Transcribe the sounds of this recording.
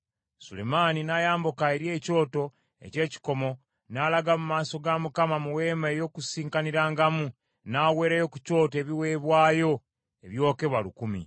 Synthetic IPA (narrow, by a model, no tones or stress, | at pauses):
sule̞̰maninajaːmbokaeɾje̞ːco̞ːto̞ | e̞̰ce̞ːci̥ko̞mo̞ | nalaɡamumaːso̞ɡamukamamuwe̞ːmaejo̞kusiːŋkaniɾaːŋɡamu | naːwe̞ːɾajo̞kuco̞ːte̞ːβiwe̞ːβwaːjo̞ | eβjo̞ːke̞βwalukumḭ